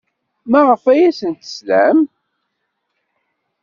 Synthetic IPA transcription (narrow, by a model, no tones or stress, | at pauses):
mæʁəfæjæsənt̪ə̥slæm